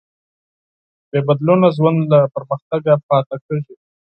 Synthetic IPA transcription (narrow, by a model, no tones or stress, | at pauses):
bebad̪lonazwand̪lapəɾməxt̪aɡapɑt̪akəʒi